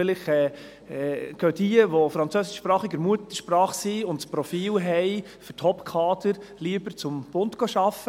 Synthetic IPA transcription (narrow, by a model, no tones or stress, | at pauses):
lɪχɛː | ɛɡ̥œdiəʋɔfɾɑnt͡søsɪʃpɾɑːχɪɡəɾmuət̪əʃpɾɑːχsiʊntspɾɔfiːlɦɛɪ | fʏthɔpkʰɑːdəɾliəbəɾt͡sʊmb̥ʊntɡ̥ɔʃɑfːə